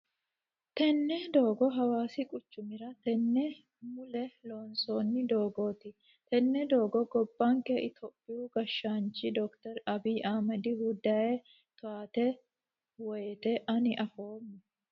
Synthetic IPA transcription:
t̪ɛnːɛd̪o̞ːɡɔɦɐwaːsɪkʼʊt͡ʃːʊmɪɾɐt̪ɛnːɛ | mʊlɛloːnso̞ːnːɪd̪o̞ːɡo̞ːt̪ɪ | t̪ɛnːɛd̪o̞ːɡɔɡɔbːaŋkɛʔɪt̪ʰɔpʼːɪjuɡɐʃːaːnt͡ʃɪd̪ɔkt̪ɐɾɐbiːʔaːmɐd̪ɪhʊd̪aːjɛ | t̪ʊaːt̪ɛ | wɔjɛt̪ɛʔɐnɪʔɐfoːmːɛ

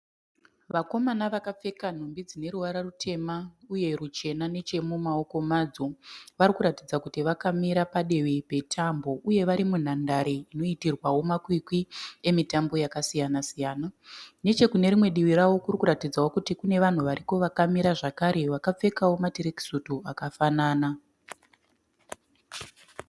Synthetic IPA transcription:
ʋako̞manaʋakap͡fe̞kan̤ombid͡zine̞ɾuʋaɾarutʰe̞mauje̞rut͡ʃe̞nane̞t͡ʃe̞mumao̞ko̞mad͡zo̞ʋaɾikuɾatid͡zakutiʋakamiɾapaɗe̞wipe̞tʰambo̞ʔuje̞ʋaɾimun̤andaɾeino̞itirwawo̞makwikwie̞mitambo̞jakasijanasijaːnane̞t͡ʃe̞kune̞ɾimwe̞ɗiʋirawo̞kurikuɾatid͡zawo̞kutikune̞ʋan̤uʋaɾiko̞ʋakamiɾaʐakaɾe̞ʋakap͡fe̞kawo̞matiɾeki̥sutuakafanaːna

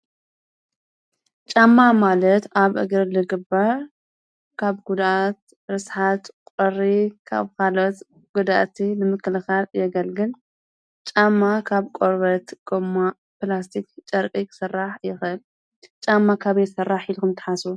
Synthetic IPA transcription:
t͡ʃʼamːamalɐt̪aβʔɨɡɨɾlɨɡɨbːa | kʰaβɡud̪ʔat̪ | ɾɨsħat̪kʼɔrikʰa̰βkalot̪ | ɡ̥ud̪aʔt̪ʰinɨmɨkʰːɨlɨxaljɛɡɐlɡɨl | t͡ʃʼamːakʰaβkʼoɾβɐt̪ɡ̥omːa | plas̬t̪ʰikt͡ʃʼɐɾkʼiksɨrːaħjɪxɨl | t͡ʃʼamːakʰaβjsɐrːaħilkɨmt̪ʰɨ̥ħasu

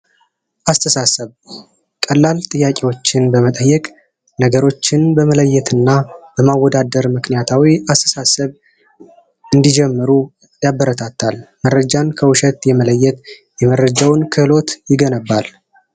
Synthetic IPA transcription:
ʔast̪ʰəsasəβ | kʼəlːalt̪ʼɨjːakʼewo̞t͡ʃːɪnbəmət̪ʼəjːɛkʼ | nəɡəɾo̞t͡ʃːɪnbəmələjːɛt̪ʰɨnːabəmawːɔd̪ad̪əɾmɨknijat̪ʰawiast̪ʰə̥sasəβ | ɨnd̪id͡ʒɛmːɨɾu | jabːəɾət̪ʰat̪ʰːalmərːəd͡ʒankʰəwʊʃɛt̪jɛmələjːɛt̪ | jɛmərːəd͡ʒawnkʰɨlo̞t̪jɪɡənəbːal

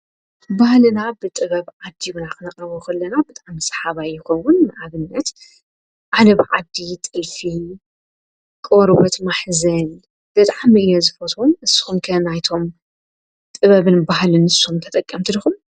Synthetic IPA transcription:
bahlɨnabɨt̪ʼɨβɐβʕad̪ːijunaxʼɨnɐkʼɐβuxɐlːɐnabɨt̪ʼʕamɨsʼħaβajːɪxowːʊnnɨʔaβɨnːɐt̪ | ʔalɐβʕad̪it̪ʼɨlfi | kʼoɾbɐt̪maħzɐn | b̥ɨt̪ʼʕamiʔɨjozɨfot̪ʰumɨsːɨ̥xumkʰɐnajt̪ʰo̞m | t̪ʼɨβɐβɨnbahlɨnɨsːxumt̪ʰɐt̪ʼɐkʼːɐmt̪ʰɨlɨxum

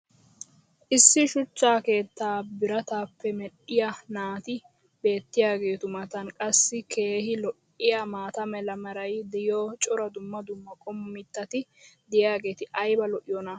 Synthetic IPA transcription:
ʔɪsːɪʃʊt͡ʃːaːke̞ːt̪ːaːbɪɾɐt̪aːpːɛmɛɗɪjɐnaːt̪ɪ | be̞ːt̪ːɪjaːɡe̞ːt̪ʊmɐt̪ɐnkʼɐsːɪkʰe̞ːɦɪlɔʔ | ɪjamaːt̪ɐmɛlɐmɐɾɐjd̪ɛjoːt͡ʃʼɔɾɐd̪ʊmːɐd̪ʊmːɐkʼɔmːɪt̪ːɐt̪ɪd̪ɪjaːɡe̞ːt̪ɪʔɐjbɐlɔʔɪjɔnɐ

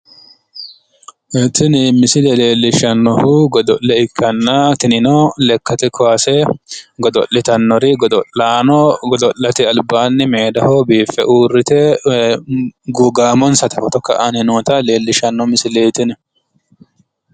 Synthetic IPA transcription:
ɛt̪ɪnɪmɪsɪlɛle̞ːlːɪʃɐnːɔhuɡɔd̪ɔʔːɛɪkʰːɐnːat̪ɪnɪnɔlɛkːɐt̪ɪkʰɔasɛɡɔd̪ɔlːɪt̪ɐnːɔɾɪɡɔd̪ɔanɔɡɔd̪ɔʔːɐt̪ɪɐlbaːnːɪmeːd̪ɐhobiːfːɛʔuːrːɪt̪ɛ | ɡʊɡaːmɔnsɐt̪ɐfɔt̪ɔkːɐʔɐnɪnoːt̪ɐle̞ːlːɪʃɐnːɔmɪsɪlɛt̪ɪn

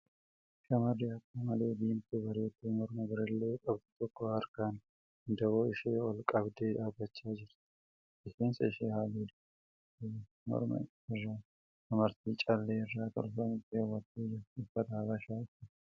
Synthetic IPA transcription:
ʃɐmɐrɪɐkːɐmɐle̞ːd̪iːmt̪ɛbɐɾoːt̪ːiːmɔɾmɐɡɪɾɪlːeːkʼɐbd̪ɪt̪ɔkːɔɐɾkaːn | nd̪ɐboːɪʃeːɔlkʼɐbd̪eːᶑaːbːɐt͡ʃːaːd͡ʒɪɾ | ʔɪseːnsɐɪʃeːhaːliːd̪̥ | mɔ̰ɾmɐ̰ | ɪrːaː | ɐmɐɾt̪iːt͡ʃʼɐlːeːɪrːaːt̪ɔ̰lfɐmɪt̪ːewːɐt̪ːiːd͡ʒɪɾʊfːɐt̪ɐɐbɐʃaːtːɪ

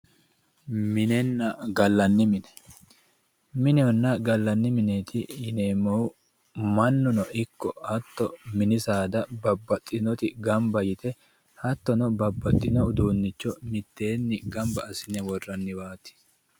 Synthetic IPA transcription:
mɪnɛnːɐɡɐlːɐnːɪmɪnɛ̥ | mɪnɛɔnːɐɡɐlːɐnːɪmɪneːt̪ʰɪɪneːmɐwʊ | mɐnːʊnɔʔɪkːɔ̰hɐt̪ːɔmɪnɪsaːd̪ɐbɐbːɐt̪ʼːɪnɔt̪ɪɡɐmbɐjɪt̪ɛ | hɐt̪ːɔnɔbɐbːɐt̪ʼːɪnɔʊd̪uːnːɪt͡ʃːɔmɪt̪ːe̞ːnːɪɡɐmbɐːsɪnɛwɔrːɐnːɪwaːt̪ɪ̥

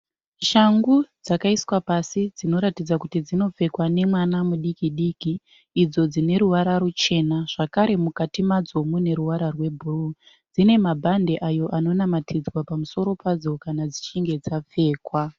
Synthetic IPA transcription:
ʃaŋɡud͡zakaiswapasid͡zino̞ɾatid͡zakutid͡zino̞p͡fe̞kwane̞mwanamuɗikiɗikiː | d͡zo̞d͡zine̞ɾuwaɾaɾut͡ʃe̞naʐ̥akaɾe̞mukatimad͡zo̞mune̞ɾuwaɾarwe̞bʱuru | d͡zine̞mabʱande̞ʔajo̞ʔano̞namatʰid͡zwapamuso̞ɾo̞pad͡zo̞kanad͡zit͡ʃiŋɡe̞d͡zap͡fe̞ːkwa

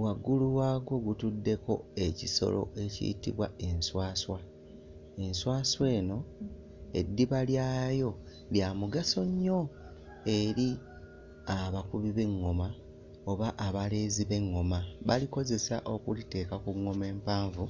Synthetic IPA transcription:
waɡːuluwaːɡo̞ɡutudːe̞ko̞̰e̞ciso̞̰lo̞̰ʔe̞cḭːtḭβwa̰e̞nswaːswa | e̞nswaːswe̞ːno̞ | ḛdːiβaljaːjo̞ | βjaːmuɡaso̞ɲːo̞ | e̞ɾi | aβakuβiβe̞ŋːo̞ma | o̞βaʔaβale̞ːziβe̞ŋːo̞maβaliko̞ze̞sa̰ʔo̞kulite̞ːkakuŋːo̞me̞ːmpaːɱvu

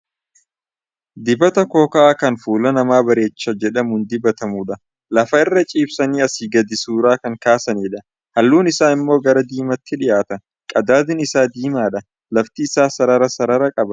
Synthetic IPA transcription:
d̪ɪbɐt̪ɐko̞ːkɐʔaːkɐnfuːlɐnɐmaːbɐɾe̞ːt͡ʃːɐd͡ʒɛᶑɐmund̪ɪbɐt̪ɐmuːᶑɐ | lɐfɐɪrːɐt͡ʃʼiːbsɐniːɐsiːɡɐd̪ɪsuːɾaːkɐŋkaːsɐniːᶑɐ | hɐlːuːnɪsaːɪmːo̞ːɡɐɾɐd̪iːmɐt̪ːɪᶑɪʔaːt̪ɐ | kʼɐd̪aːd̪ɪnɪsaːd̪iːmaːᶑɐ | lɐft̪iːsaːsɐɾɐɾɐsɐɾɐɾɐkʼɐbɐ

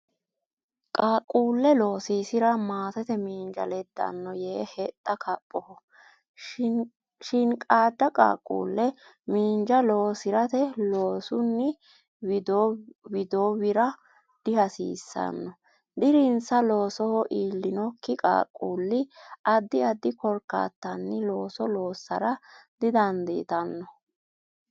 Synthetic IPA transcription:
kʼaːkʼːuːlːɛlo̞ːsiːsɪɾɐmaːt̪ɛt̪ɛmiːnd͡ʒɐ̰lɛd̪ːɐ̰nːɔjeːhɛt̪ʼːɐkʰɐpʼːɔhɔ | ʃɪnkʼaːd̪ːɐkʼa̰ːkʼːṵːlːɛ | miːnd͡ʒɐlo̞ːsɪɾɐt̪ɛlo̞ːsʊnːɪ | d̪owɪd̪oːwɪɾɐ | d̪̥ɪhɐsḭːsːɐ̰nːɔ | d̪ɪɾɪnsɐlo̞ːsɔhɔʔiːlːɪnɔkːɪkʼa̰ːkʼːuːlːɪʔɐd̪ːɪɐd̪ːɪkɔɾkːa̰ːt̪ːɐnːɪlo̞ːsɔlo̞ːsːɐ̰ɾɐd̪ɪd̪ɐnd̪ḛːt̪ɐnːɔ

